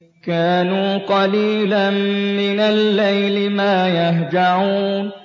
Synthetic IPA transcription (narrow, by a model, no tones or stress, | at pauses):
kaːnuːqɑliːlanmɪnalːajlɪmaːjaɦd͡ʒaʕuːn